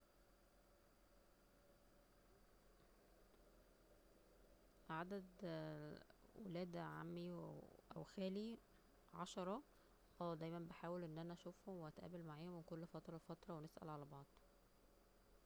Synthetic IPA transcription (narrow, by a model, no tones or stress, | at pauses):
ʕad̪æd̪ | wḛlæːd̪ʕa̰mːiʔæ̰wxæːli | ʕɑ̰ʃɑɾˤɑ | ʔæːd̪æjmænbeħaːwelʔenːʔænæʔæʃuːfhomweæt̪ʔæ̰ːbælmaʕeːhomenkolːfɑt̪ɾˤɑfɑt̪ɾˤɑwenesʔæ̰lʕalæbɑʕd̪̥ˤ